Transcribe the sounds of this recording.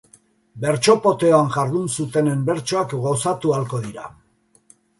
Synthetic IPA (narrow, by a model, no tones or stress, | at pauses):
be̞ɾt͡ʃo̞po̞t̪e̞oaŋʝaɾðunsut̪e̞ne̞mbe̞ɾt͡ʃo̞akɡosat̪ualko̞ðiɾa̰